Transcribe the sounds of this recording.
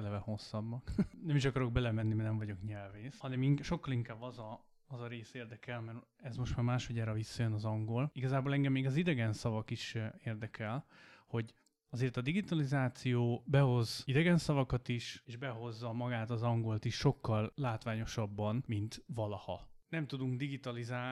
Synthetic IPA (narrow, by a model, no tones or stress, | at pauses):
ɛlɛvɛho̞sːɒbːɒknɛmiʃɒkɒɾo̞ɡ̚bɛlɛmɛnːimɛnɛɱvɒɟo̞kɲɛlveːshɒnɛmiŋʃo̞kːɒliŋkaːbɒzɒː | zɒɾeːseːrd̪ɛkɛlmɛrɛzmoʃt̪maːɾmaːʃhɒɟɛːɾɒvisːɒjønɒzɒŋɡo̞liɡɒzaːboːlɛŋɡɛmːeːɡɒzid̪ɛɡɛnsɒvɒkiʃeːrd̪ɛkʰɛlho̞ɟ | ɒzeːrt̪ɒd̪iɡit̪ɒlizaːt̪sijoːbɛɦo̞zid̪ɛɡɛnsɒvɒkɒt̪iʃeːʒbɛɦo̞zːɒmɒɡaːt̪ɒzɒŋɡo̞lt̪iʃːo̞kːɒlːaːt̪ʋaːɲo̞ʃɒbːɒnmint̪ʋɒlɒhɒ̰nɛmt̪ud̪uŋɡd̪iɡit̪ɒlizaː